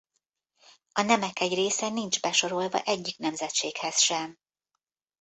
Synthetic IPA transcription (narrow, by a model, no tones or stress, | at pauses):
ɒnɛmɛkɛɟreːsɛnind͡ʒbɛʃo̞ɾo̞lvɒ̰ʔɛɟːiknɛmzɛt̪t͡ʃeːkhɛsʃɛm